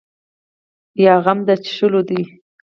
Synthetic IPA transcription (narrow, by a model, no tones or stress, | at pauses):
jɑɣamd̪at͡ʃʃəlod̪i